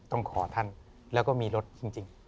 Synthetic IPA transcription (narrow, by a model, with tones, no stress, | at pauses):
t̪ɔ˥˩ŋkʰɔː˩˦t̪ʰa˥˩n | lɛː˦˥wkɔː˥˩miː˧ɾo˦˥t̪̚t͡ɕi˧ŋt͡ɕi˧ŋ